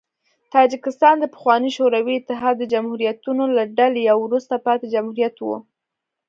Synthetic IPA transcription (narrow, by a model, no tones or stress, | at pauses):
t̪ɑd͡ʒɪkɪst̪ɑnd̪əpə̥xwɑniʃoɾawiɪt̪ːɪɦɑd̪ːəd͡ʒamhuɾjat̪unolaɖalejawɾust̪apɑt̪ed͡ʒamhuɾijat̪wṵ